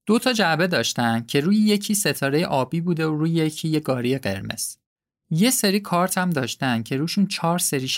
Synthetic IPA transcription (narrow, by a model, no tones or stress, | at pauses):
d̪̥o̞t̪ʰɒːd͡ʒæbe̞d̪ɒːʃt̪ænd̪̥̚cʰe̞ɾuːjeje̞cʰiːse̞t̪ʰɒːɾe̞jḛʔɒːbiːbuːd̪eoɾuːjejecʰiːjeɡɒːɾije̞ɢe̞̰ɾme̞̰z̥ | je̞se̞ɾiːkʰɒːɾt̪ʰæmd̪ɒːʃt̪ænd̥̪̚cʰe̞ɾuːʃunt͡ʃʰɒːɾse̞ɾiːʃ